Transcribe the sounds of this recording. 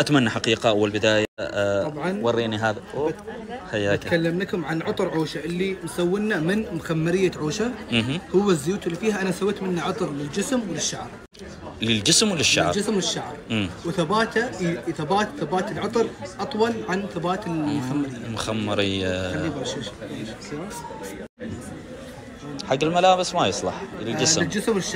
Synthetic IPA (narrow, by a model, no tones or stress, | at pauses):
ʔat̪manːaħaqiːqaʔawːalbɪd̪aːjaˤɑbʕɑnwɑrˤːiːniɦaːða | ħajːaːɪt̪kalːamnakʊmʕanʕʊt̪ˤɾʕuːʃaʔɪlːinsawːɪnːamɪnmʊxamːɪɾɪjːaʕuːʃahʊwːazːʊjuːt̪ɪlːiːfiːhaʔanasawːeːt̪mɪnːaʕɑt̪ˤɾlɪld͡ʒɪsmwɪlɪʃːaʕɾ | lɪld͡ʒɪsmwlɪʃːa̰ʕɾd͡ʒɪsmwlɪʃːaʕɾmːwθabaːt̪aθabaːt̪θabaːt̪ɪlʕɑt̪ˤɑɾʔɑt̪ˤwɑlʕanθabaːt̪ɪlmʊxamːɪɾɪjːmxamːɑɾɪjːaanːibɑɾʃaʃsia | ħaɡːɪlmalaːbɪsmajɨsˤlɑ̰ħlɪld͡ʒɪnɪld͡ʒɪsmwlɪʃː